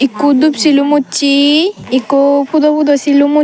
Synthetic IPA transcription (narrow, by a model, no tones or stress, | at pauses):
ikːud̪upsilumut͡ʃiikopʰud̪ɔpud̪ɔsilumu